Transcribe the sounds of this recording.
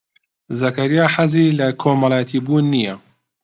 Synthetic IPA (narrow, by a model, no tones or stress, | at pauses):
zɐkɐɾijaːħazilɐkʰomɐlˠaːjɐt̪ʰiːbuːnːijɐ